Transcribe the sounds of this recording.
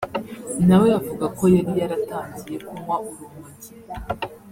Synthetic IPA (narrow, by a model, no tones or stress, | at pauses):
nawe̞avuɡako̞jaɾijaɾataːɲzije̞kumwaʔuɾumuɲi